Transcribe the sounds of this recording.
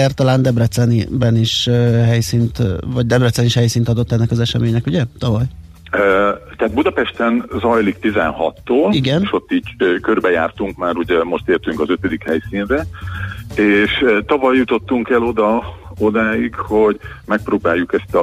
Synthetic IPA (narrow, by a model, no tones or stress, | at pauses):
aːrt̪ɒlaːnd̪ɛbrɛt̪sɛnibɛniʃɦɛjsiːnt̪vɒɟd̪ɛbrɛt̪sɛniʃhɛjsiːnt̪ɒd̪o̞t̪ːɛnːɛkɒzɛʃɛmeːɲɛkuɟɛt̪ɒvɒj | øt̪ɛɦat̪̚bud̪ɒpɛʃt̪ɛnzɒjlikt̪izɛ̰nhɒ̰t̪ːoːliɡɛnʃo̞t̪ːiːɟøkørbɛjaːrt̪uŋkmaːɾuɟɛmo̞ʃt̪eːrt̪yŋkɒzøt̪ød̪ikhɛjsiːnrɛ | eːʃt̪ɒvɒjːut̪o̞t̪ːuŋkɛlo̞d̪ɒo̞d̪aːjikho̞ɟmɛk̚proːbaːjːukɛst̪ɒ